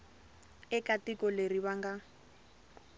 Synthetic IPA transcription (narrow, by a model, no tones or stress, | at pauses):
ɛkatikɔleriβaŋɡa